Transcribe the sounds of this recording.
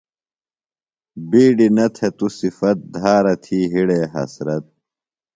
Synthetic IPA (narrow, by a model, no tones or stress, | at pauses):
biːɖinɐt̪ʰet̪usifɐt̪̚d̪ʱaːɾɐt̪ʰiːɦiɽeːɦɐ̰sɾɐt̪̚